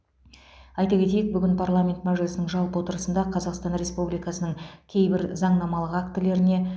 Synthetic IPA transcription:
ɑjt̪ɑkʲe̞t̪e̞jɪk̚bʏɡʲɪnpʰarlˠamʲe̞nt̪mæʒɪlʲɪsənəŋʒɑlˠpwo̞t̪əɾəsənd̪ɑqʰɑzɑqst̪ɑnɾʲe̞spublijkɑsənəɴkʲʰe̞jbɪɾzɑɴnɑmɑlˠəqakt̪ɪle̞ɾɪne̞

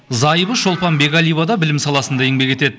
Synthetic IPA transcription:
zɑjəbəʃo̞lˠpɑnbe̞ɡalʲˠijbad̪ɑbɪlɪmsɑlˠɑsənd̪ɑeŋbe̞kʲe̞t̪e̞d̪ɪ

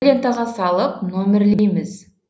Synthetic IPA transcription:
lʲe̞nt̪aʁɑsɑlˠəpno̞mʲeɾlejmɪz̥

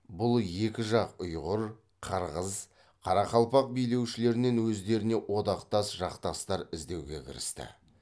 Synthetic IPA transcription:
bʊlˠje̞kʲɪʒɑqʊjʁʊɾ | qʰɑɾʁəz | qʰɑɾɑqɑlˠpɑq̚bijle̞wʃɪle̞ɾɪne̞nwɵzd̪e̞ɾɪne̞ʔwo̞d̪ɑqt̪ɑsʒɑqt̪ɑst̪ɑɾɪzd̪e̞wɡʲe̞̰kʲʰɪ̰ɾɪ̰st̪ɪ̰

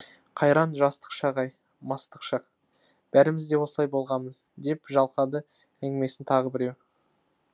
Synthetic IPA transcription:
qʰɑjɾɑnʒɑst̪ə̥qʃɑʁɑj | mɑst̪ə̥qʃɑq | b̥æɾɪmɪzd̪e̞wo̞səlˠɑjbo̞lˠʁɑməzd̪e̞pʒɑlˠqɑd̪ə | æŋɡʲɪme̞sɪnt̪ʰɑʁəbɪɾe̞w

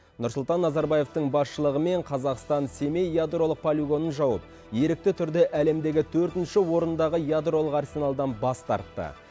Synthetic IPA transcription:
nʊɾsʊlˠt̪ɑnːɑzɑɾbɑje̞ft̪əɴbɑsʃəlˠəʁəme̞ɴqʰɑzɑqst̪ɑnse̞me̞jad̪ro̞lˠəq̚pʰolʲiɡo̞nənʒɑwəp̚ | je̞ɾɪk̚t̪ɪt̪ʰʏɾd̪ɪʔæle̞md̪e̞ɡʲɪt̪ʰɵɾt̪ɪnʃɪwo̞ɾənd̪ɑʁəjad̪ro̞lˠəqɑrsʲe̞nalˠd̪ɑnbɑst̪ɑ̰ɾt̪ːə̰

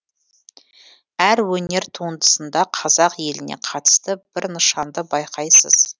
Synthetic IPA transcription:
æɾwɵne̞ɾt̪ʰuənd̪ə̥sənd̪ɑqʰɑzɑqje̞lɪnḛqʰɑt̪ə̥st̪əb̥ɪɾnəʃɑnd̪əbɑjqʰɑjsə̰z̥

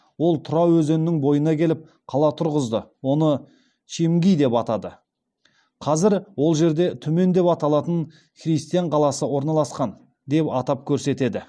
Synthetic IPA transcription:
wo̞lˠt̪ʰʊɾɑwɵzennɪŋbo̞jənɑkʲʰe̞lɪp̚ | qʰɑlˠɑt̪ʰʊɾʁəzd̪əwo̞nə | ʃemɡʲijd̪e̞pɑt̪ɑd̪ə | qʰɑzɪɾwo̞lˠʒe̞ɾd̪e̞t̪ʰʏme̞nd̪e̞pɑt̪ɑlˠɑt̪ən | χrijst̪ijaɴqʰɑlˠɑsəwo̞ɾnɑlˠɑsqɑn | d̪e̞pɑt̪ɑp̚kʲʰɵɾse̞t̪e̞d̪ɪ

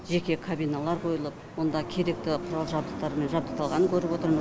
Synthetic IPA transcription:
ʒe̞kʲe̞kʰabijnalˠɑɾqʰo̞jəlˠəp̚wo̞nd̪ɑkʲʰe̞ɾe̞k̚t̪ɪqʰʊɾɑlˠʒɑbd̪əq̚t̪ɑɾəme̞nʒɑbd̪əqt̪ɑlˠʁɑnəŋkʲʰɵɾɪpwo̞t̪əɾmə

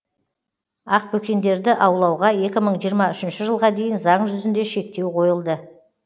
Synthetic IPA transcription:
ɑq̚pɵkʲe̞nd̪e̞ɾd̪ɪʔɑwlˠɑwʁɑje̞kʲɪməɴʒijəɾmɑʏʃɪnʃɪʒəlˠʁɑd̪e̞jɪnzɑɴʒʏzɪnd̪e̞ʃe̞k̚t̪e̞wqʰo̞jəlˠd̪ə

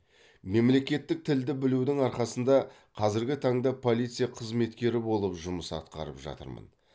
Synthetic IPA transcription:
me̞mle̞kʲe̞t̪ːɪk̚t̪ʰɪld̪ɪbɪlud̪ɪŋɑɾqɑsənd̪ɑ | qʰɑzɪɾɡʲɪt̪ʰɑɴd̪ɑpʰo̞lʲˠijt̪sɨjɑqʰəzme̞t̪kʲe̞ɾɪbo̞lˠəpʒʊməsɑ̰t̪qɑ̰ɾə̰pʒɑ̰t̪ə̰ɾmə̰n

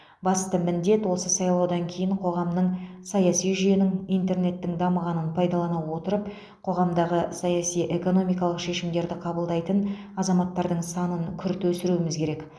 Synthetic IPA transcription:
bɑst̪əmɪnd̪e̞t̪wo̞səsɑjlˠɑwd̪ɑŋkʲʰejɪɴqʰo̞ʁɑmnəɴsɑjɑsijʒʏje̞nɪŋijnt̪e̞rne̞t̪ːɪŋd̪ɑməʁɑnənpʰɑjd̪ɑlˠɑnɑwwo̞t̪əɾəp̚ | qʰo̞ʁɑmd̪ɑʁəsɑjɑsijʔe̞ko̞no̞mijkɑlˠəqʃe̞ʃɪmd̪e̞ɾd̪ɪqʰɑbəlˠd̪ɑjt̪ən | ɑzɑmɑt̪ːɑɾd̪əɴsɑnəŋkʲʰʏɾt̪wɵsɪɾuɪmɪzkʲʰe̞ɾe̞k

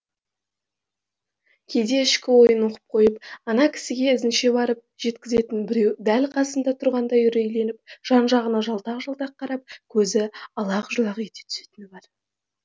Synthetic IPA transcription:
kʲʰejd̪e̞ɪʃkʲɪwo̞jənwo̞qə̥p̚qʰo̞jəpɑnɑkʲʰɪ̥sɪɡʲe̞ɪzɪnʃe̞bɑɾəp̚ʒ̥e̞t̪kʲɪze̞t̪ɪnbɪɾe̞wd̪ælqʰɑsənd̪ɑt̪ʰʊɾʁɑnd̪ɑjʏɾe̞jle̞nɪp̚ʒ̥ɑnʒɑʁənɑʒɑlˠt̪ɑqʒɑlˠt̪ɑq̚qʰːɑɾɑp̚kʲʰɵzɪɑlˠɑqʒulˠɑʁəjet̪et̪ʰʏ̥se̞̥t̪ɪnɪbɑɾ

